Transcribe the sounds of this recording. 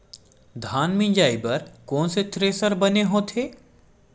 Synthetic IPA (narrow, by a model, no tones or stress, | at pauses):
d̪ʱaːnmĩnd͡ʒaːipɐɾkɔ̃ːnset̪ɾeːsəɾbɐneɦoːt̪ʰeː